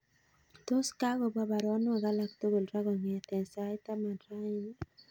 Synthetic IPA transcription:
t̪o˦ska˦ɡɔ˨ba˦ba˨ɾwɔ˦n˦a˨ɡa˦la˦kt̪o˦ɡo˨lɾa˦ɡɔ˨ŋɛ˨t̪ɛ˨nsa˨˦ɪ˦t̪a˦ma˨dɾa˦n˦

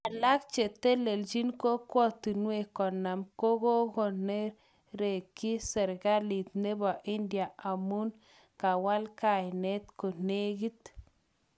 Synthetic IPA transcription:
a˨la˦kt͡ʃe˨t̪e˦le˨ld͡ʒi˦nko˦ko˦t̪i˨nwe˨ko˨na˨mko˦ɡo˦ɡo˨ne˦ɾ | ɾe˨ki˦se˨ɾɡa˦li˨t̪ne˦ba˨ʔi˦nd̪ja˨a˨mu˦n | ka˨wa˦lka˨jne˦t̪ko˨ne˦ɡi˦t̪

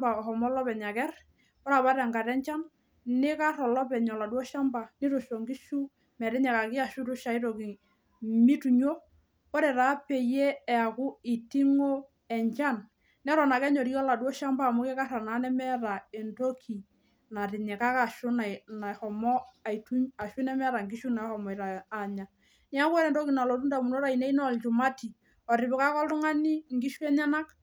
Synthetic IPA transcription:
ba˨ɔ˨hɔ˨mɔ˦lɔ˦pɛ˨ɲa˨kɛ˦r | pɔ˦ɾa˨βa˦ɾɛ˨ŋɡa˨ɾɛ˦ɲt͡ʃa˦n | nɪ˦ka˦ɾɔ˨lɔ˦pɛ˨ɲɔ˨la˨dwɔ˦ʃa˦mba˨nɪ˦ɾo˨ʃo˨ŋɡɪ˦ʃu˦ | mɛ˨ɾɪ˦ɲɛ˨ka˨kɪ˦a˨ʃʊ˦tʊ˦ʃa˨˦ɪ˦ɾo˨ki˨ | mɪ˦tu˨ɲo˦ | pɔ˦ɾɛ˨ɾa˨˦pɛ˨je˦ɛ˨a˨kʊ˦ɪ˨ti˦ŋo˦ | ɛ˨ɲt͡ʃa˦n | nɛ˦ɾɔ˨na˨kɛ˦ɲo˨ɾi˦ɔ˦la˨dwo˦ʃa˦mba˦˨mʊ˦kɛ˦ka˦ɾa˨na˨˦nɛ˦mɛ˦ɾa˨ɛ˨ndo˦kʰi˨ | na˨ɾɪ˨ɲɛ˨ka˦ka˨ʃʊ˦na˨na˨xɔ˨mɔ˦a˨i˨tu˦ɲa˨ʃʊ˦nɛ˦mɛ˦ɾa˨ŋɡi˦ʃu˦na˨˦hɔ˨mɔ˨i˨ɾaː˨ɲa˨ | n˦a˦kwɔ˦ɾɛ˨ndo˦ki˨na˨lo˨tu˦nda˨mu˨no˦ɾa˨i˨ne˦i˦nɔ˨lt͡ʃʊ˨ma˦ti˨ | ɔ˨ɾɪ˨bɪ˨ka˦kɔ˦ltʊ˦ŋa˦ni˦ŋɡi˦ʃu˦ɛ˦ɲa˦na˦k

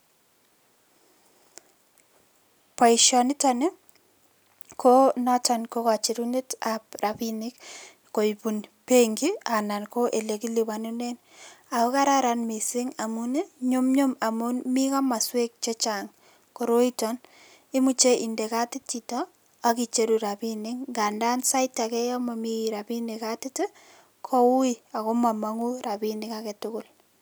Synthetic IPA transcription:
pa˨iʃɔ˨nɪ˦tɔne˦ | kʰo˦nɔ˦t͡ʃa˨nko˦ka˨t͡ʃi˨ɾu˦ne˦tap̚rapinɪ˦k | ko˨ipu˨npe˦ŋɡi˦a˨na˨nko˦ʔe˨le˨ki˦li˨wa˨nu˦ne˦n | a˨o˦ka˦ɾaɾa˨nmi˨sɪ˦ŋa˨mu˦ne˦ɲo˦mɲo˦ma˨munmi˦ka˦ma˨swe˦k̚t͡ʃe˦t͡ʃaŋ | ko˨ɾo˦itɔn | ɪ˦mu˦t͡ʃeʔi˨nde˨ka˦tɪ˦titɔ | a˦ki˨t͡ʃe˦ɾuɾapinɪŋɡa˨nda˦nsa˦ɪtakɛ˦ja˦ma˨miɾabi˦nikatɪ˦te˦ | kʰo˦wu˦ia˨ko˦ma˨ma˦ŋu˦ɾabinɪkakɛ˨tʊkʊl

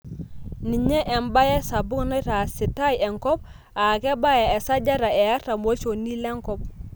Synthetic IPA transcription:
ni˨ɲɛ˦ʔɛ˨mba˦ja˦sa˨bu˦ŋna˦ta˨si˨ta˦jɛ˨ŋkɔ˦p̚ | a˨kɛ˦ba˦ja˨ɛ˨sa˦ɟa˦ɾa˨e˨ja˦ta˨mo˦so˨ni˦lɛ˦ŋkɔ˦p̚

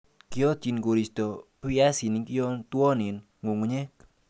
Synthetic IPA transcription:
ki˦ɔ˦t͡ʃi˨nko˨ɾi˨stɔ˨pu˦ja˦si˨ni˨ki˦ɔ˦ntwɔ˦ni˨n | ŋo˨ŋu˦ɲe˦k̚

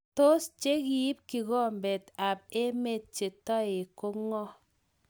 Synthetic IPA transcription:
to˦st͡ʃe˦ki˨i˦p̚ki˨kɔ˦mbe˨ta˨p̚e˦me˦˨t̚t͡ʃe˨tɔ˦e˨ko˦ŋɔ˦

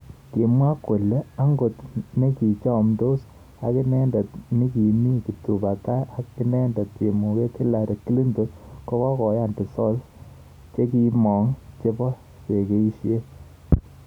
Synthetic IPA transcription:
ki˨mwa˦kːo˨le˦a˦ŋɡo˨tne˦ki˨t͡ʃɔ˦˨mdo˦s | a˨ki˦nɛ˦ndɔ˨tni˦ki˨mi˦ki˨tu˨ba˨ta˦a˦i˦nɛ˦ndɔ˨t̚t͡ʃe˨mu˨ke˦ti˦la˨ɾe˨ki˦li˦ndo˨˦kɔ˦kɔ˦kɔ˨ja˦˨ndi˨sɔ˦l | t͡ʃe˦ki˦mɔ˨ŋt͡ʃe˦pɔ˦ | se˨ke˦i˦ʃje˦

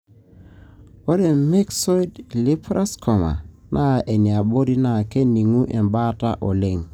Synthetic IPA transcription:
o˦ɾe˨me˦ksɔ˦jdli˦pɾa˦skʰɔ˨ma̰˨ | nʔa˦˨ʔe˨ni˨a˨bo˦ɾi˦na˨ke˦ni˨ŋu˦ʔe˨mba˦ta̰˦ʔɔ˨le˦˨ŋ

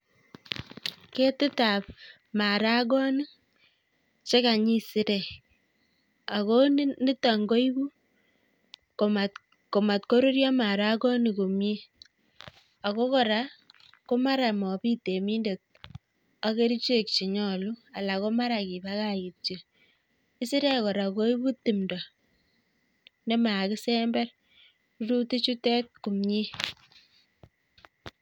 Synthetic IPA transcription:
ke˦tɪ˦ta˨p̚ | ma˨ɾa˦ɡɔ˦ni˦ | t͡ʃe˦ka˨ɲi˦sɪ˦ɾe˨ | a˨ko˦ni˦ta˨ŋɡo˦i˦bu˦ | ko˨ma˨ | ko˨ma˨tko˦ɾu˦ɾjɔ˦ma˨ɾa˦kɔ˦ni˨ko˨mje˦ | a˨ko˦kɔ˨ɾa˦ | ko˦ma˦ɾa˨mɔ˨pi˦te˨mi˦nde˨t̚ | a˦ke˦ɾi˦t͡ʃe˦k̚t͡ʃi˨ɲɔ˦˨lu˦a˨la˨ko˦ma˦ɾa˨ki˨ba˦ka˦ji˨p̚t͡ʃi˨ | i˦si˦ɾɛ˦kɔ˨ɾa˨ko˦i˦bu˦tːi˨mdɔ˨ | ne˦ma˨kɪ˦sɛ˦mbɛ˦r | ɾu˦ti˦t͡ʃu˦tɛ˦t̚ku˨mɲi˦

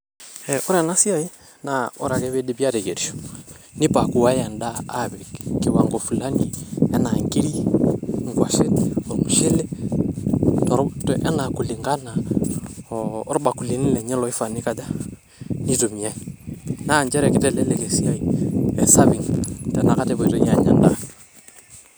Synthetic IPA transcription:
ɛʔɔ˦ɾa˨na˦si˦ai˦ | naɔ˦ɾa˨kɛβɛ˦di˦bja˦tɛ˨kɛ˨ɾi˨ʃɔ̥ni˦paku˨wa˦ɛa˨ndaː˦βɛkki˨waŋɡɔfu˨la˦nɡi˨ɛna˨ŋɡi˦ɾi˦ŋɡwa˨ʃɛ˦ɔɾmu˨ʃɛ˦lɛ | tɔɾtʔɛ˦naku˨liŋɡa˦na˦ | ɾɓakuli˦ni˦lɛɲɛ˦lɔi˦fani˦kaða˦ | nitomia˦inaː˦ɲd͡ʒɛ˦ɾɛki˦tɛlɛlɛkɛsia˦iɛsaβiŋtɛna˨katɛβɔitɔjaɲa̰˨nda

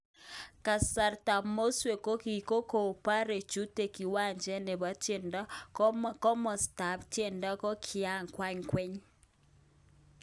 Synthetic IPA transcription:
ka˨sa˨ɾta˨mo˦swe˨ko˦ki˨ko˦ko˨pa˦ɾe˨t͡ʃu˦te˨ki˨wa˦˨ɲd͡ʒɛ˦ne˨βa˦tje˨nda˦kɔ˦mkɔ˦mɔ˨sta˨ptje˨nda˦kɔ˦kʰi˨a˦ŋkwa˦ɲkwe˦ɲ

